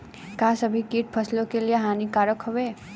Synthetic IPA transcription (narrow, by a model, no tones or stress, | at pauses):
kasəbʱikiːʈ̚pʰəslõkelijeɦaːnikaːɾəkɦoʋe